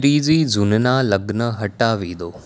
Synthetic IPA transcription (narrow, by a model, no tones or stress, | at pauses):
ɾiːd͡ʒiːzʊnnaləɡnəɦɐʈaːʋiːd̪oː